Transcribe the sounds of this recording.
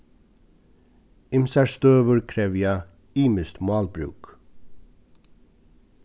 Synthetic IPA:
ɪmsæst̪øːʋəɾkʰɾeːʋjæː | iːməst̪mɑːlbɾʉ̰ːk

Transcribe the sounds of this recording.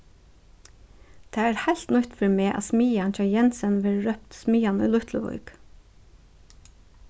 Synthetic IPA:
t̪ʰeːæːɾhæɪlt̪nʏt̪fœɾmeːʔɑ̰ːsmiːɑnc͡çɑːjɛnsənʋeːɾɹœpt̪smiːɑny̰ːlʊt̪ʰləʋʊ̰ʏɡ

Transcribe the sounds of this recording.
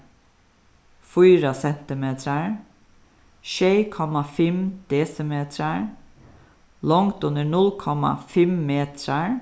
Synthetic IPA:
fyːɾəsɛnt̪ɪmeːt̪ʰɾəɹ | ʃeɪkʰɔmɑfɛmd̪̥eːsəmeːt̪ʰɾəɹ | lɔŋt̪ʉnəɳʊlkʰɔmɑ̰fɛmmeːt̪ʰɾəɹ

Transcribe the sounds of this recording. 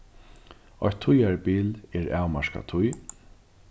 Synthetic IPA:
ɔ̰jt̪ʰːʊjaɹpiːlɛɹaːwmaʂka̰t̪ʰʊj

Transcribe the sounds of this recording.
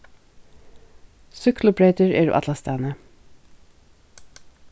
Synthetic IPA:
sʉkʰlʊbɹeʏt̪əɹḛːɾ̰ʔɑ̰t̪lɑst̪æːnə

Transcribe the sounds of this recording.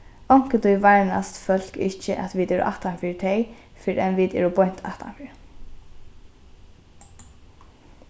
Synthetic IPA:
ɔŋ̥kət̪ʊjʋaɹna̰st̪fœl̥kɪht͡ʃəʔat̪ʋiːt̪ɛːɾʊ̰ʔa̰ht̪anfɪːɾɪt̪ʰɛj | fɪɾʔɛnʋiːt̪ɛ̰ːɹʊbɔjn̥t̪ʰa̰ht̪a̰nfɪːɹ

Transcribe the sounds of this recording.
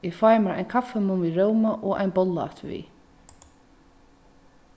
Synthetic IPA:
ifajmaɾa̰jnkʰafːɛmʊnviɹowmaʔɔʔa̰jnbɔlːa̰t̪vḭ

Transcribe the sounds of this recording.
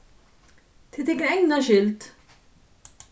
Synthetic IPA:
t̪ʰɪt̪ɪɡɾɛjnɐʃɪlt̪

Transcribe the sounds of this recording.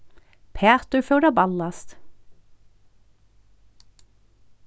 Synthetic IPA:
pʰeːt̪ʉføːɖɑbɑlɑst̪

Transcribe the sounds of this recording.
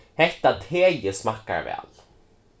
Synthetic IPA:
hɛht̪at̪ʰeːjəsmahkːa̰ɹvɛ̰ːl

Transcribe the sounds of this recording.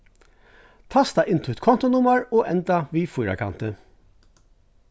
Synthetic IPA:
t̪ʰɑst̪ɑʔɪnt̪ʰʉːt̪kʰɔnt̪ʊnʊməɹoːʔɛnd̪ɑʋiːfiːɾɑ̰kʰɑ̰nt̪ə

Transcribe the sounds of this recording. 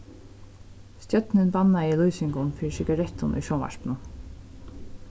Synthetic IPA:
st̪jœt̪nɪnbanːaɪlujsɪŋɡʊnfɪːɻsɪɡaɾɛt̪ʊnʔṵjʃɔnva̰ɹpnʊ

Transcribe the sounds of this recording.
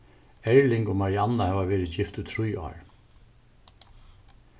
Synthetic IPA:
ɛɹlɪŋkʊmaɾjanːahɛːʋaʋɛːɾɪcɪft̪ut̪ʰɾʊjɔ̰ːɹ

